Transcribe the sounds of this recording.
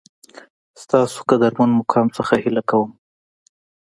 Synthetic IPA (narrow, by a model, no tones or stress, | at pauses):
st̪ɑso̥kad̪aɾmanmʊkʰɑmsəxahɪlakawəm